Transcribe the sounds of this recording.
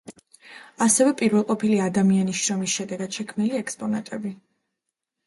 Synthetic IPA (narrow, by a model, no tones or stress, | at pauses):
asɛvɛpʼiɾvɛlˠqʼɔpʰiliad̪amianisʃɾɔmisʃɛd̪ɛɡad̪̥ʃɛkʰmniliɛkspʼɔnat̪ʼɛbi